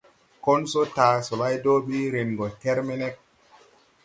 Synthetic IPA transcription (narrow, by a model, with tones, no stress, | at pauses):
ko˦nso˦taː˨so˨la˦jdo˦ɓi˦ɾe˨nɡo˨ke˦ɾme˦ne˦k̚